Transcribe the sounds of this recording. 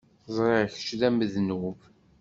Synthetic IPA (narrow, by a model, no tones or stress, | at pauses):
zˤɾeçə̥t͡ʃðæməðnuv